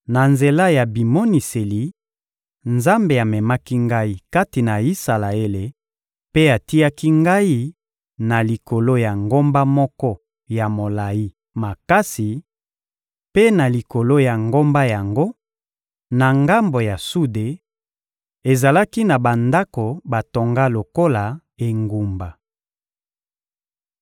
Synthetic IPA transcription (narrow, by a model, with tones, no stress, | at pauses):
na˨nze˨la˦ja˨bi˨mo˦ni˨se˨li˨ | nza˦mbe˨a˨mɛ˨ma˦ki˦ŋɡa˦i˦ka˦ti˨na˨i˦sa˨la˨e˦le˨ | pe˦a˨ti˦a˦ki˦ŋɡa˦i˦ | na˨li˨ko˨lo˦ja˨ŋɡo˦mba˦mɔ˦kɔ˦ | ja˨mo˨la˨ji˦ | ma˨ka˦si˨ | pe˦na˨li˨ko˨lo˦ja˨ŋɡo˦mba˦ja˨ŋɡo˦ | na˨ŋɡa˦mbo˨ja˨su˦de˨ | e˨za˨la˦ki˦na˨ba˨nda˦ko˨ba˨to˨ŋɡa˦lo˨ko˦la˨ | e˨ŋɡu˨mba˨